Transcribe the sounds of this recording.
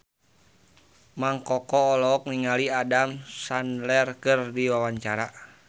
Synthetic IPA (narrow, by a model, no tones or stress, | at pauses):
maŋkɔkɔːlɔɔk̚niŋaliadamsanlɛrkɨrdiwawaɲt͡ʃaɾa